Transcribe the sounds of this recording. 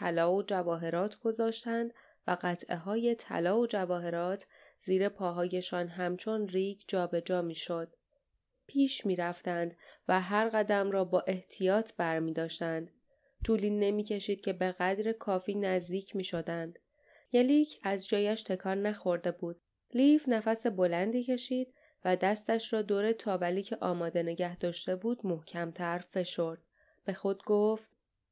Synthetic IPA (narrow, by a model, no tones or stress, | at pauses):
t̪ʰælɒːod͡ʒævɒːɦe̞ɾɒːt̪ʰɡ̥o̞zɒːʃt̪ænd̪ | væɢæt̪ʰʔe̞ɦɒːje̞t̪ʰæ̰lɒːod͡ʒævɒːɦe̞ɾɒːt̪ʰz̥iːɾe̞pʰɒːɦɒːje̞ʃɒːnɦæmt͡ʃʰo̞nriːɡd͡ʒɒːbe̞d͡ʒɒːmiːʃo̞d̪̥̚ | pʰiːʃmiːɾæft̪ænd̪væɦæɾɣæd̪æmɾɒːbɒːʔe̞ht̪ʰijɒːt̪ʰbæɾmiːd̪ɒːʃt̪ænd̪̥ | t̪ʰuːliːnːe̞miːcʰe̞ʃiːd̪̥̚cʲʰe̞be̞ɣæd̪ɾekʰɒːfiːnæzd̪iːcʰmiːʃo̞d̪ænd̪̥ | jælicʰæzd͡ʒɒːjæʃt̪ʰe̞kʰɒːɾnæxo̞ɾd̪e̞buːd̪̥ | lifnæfæse̞bo̞lænd̪iːcʰe̞ʃiːd̪̥̚ | væd̪æst̪æʃɾɒːd̪oːɾet̪ʰɒːvæliːcʰeʔɒːmɒːd̪e̞ne̞ɟæhd̪ɒːʃt̪e̞buːd̪̥mohcʰæmt̪ʰæɾfe̞ʃo̞ɾd̪̥̚ | b̥e̞xo̞d̪ɡoːft̪̚